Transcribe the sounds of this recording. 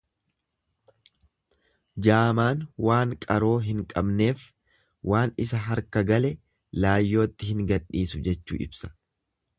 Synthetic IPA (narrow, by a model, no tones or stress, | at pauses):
d͡ʒaːmaːnwaːŋkʼɐɾo̞ːɦɪŋkʼɐbne̞ːf | wʔaːnɪsɐɦɐɾkɐɡɐlɛ | laːjːo̞ːt̪ːɪhɪŋɡɐᶑːiːsʊd͡ʒɛt͡ʃːṵːɪ̰bsɐ̥